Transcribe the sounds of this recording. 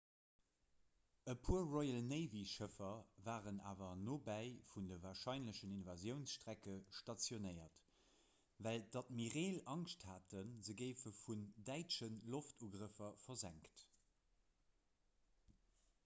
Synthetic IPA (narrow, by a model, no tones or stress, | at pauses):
əpʰuːɐʁɔɪəlnəɪviʃəfɐvaːʁəna̰ːvɐnoːbæɪfundəvaːɐʃɑɪnləʃəninvazjəʊnsʃtʁækəʃtɑt͡sjonəɪɐt | væld̥ɑt̚miʁeːlɑŋʃthaːtənzəɡəɪfəfundæɪtʃənloftʰuːɡʁəfɐfɐzæŋkt